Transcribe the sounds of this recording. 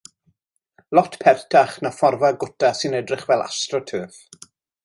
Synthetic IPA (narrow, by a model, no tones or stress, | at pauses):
lˠɔtʰpʰɛrtʰaχnafɔrvaɡʊtʰasɨnɛdrɪχvɛlˠa̰strɔtʰøːθ